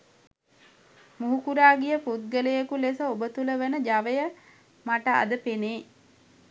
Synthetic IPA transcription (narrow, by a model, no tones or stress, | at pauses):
muɦukuɾaːɡijəput̪̚ɡəlejekulesəobət̪uləʋənəd͡ʒaʋəjə | maʈəa̰d̪əpeneː